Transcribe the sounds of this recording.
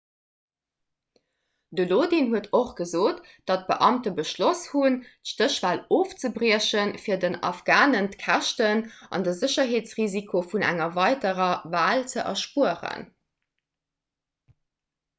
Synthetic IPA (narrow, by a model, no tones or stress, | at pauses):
dəloːdinɦuətʰoχɡ̥əzoːt | d̥ɑt̚b̥əʔɑmtəbəʃloshuntʃtəɕv̥aːloːft͡səbʁiəɕənfiːɐdənɑ̰fɡ̥aːnəntkʰæʃtənʔɑ̰ndəzəɕɐɦeːt͡sʁizikʰofunæ̰ŋɐvɑɪdəʁɐvaːlt͡səʔɛʃpuəʁə̰n